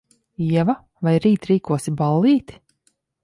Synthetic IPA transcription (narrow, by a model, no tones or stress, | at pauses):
iɛva | vajɾiːt̪ɾiːkuɔsibalˠːiːt̪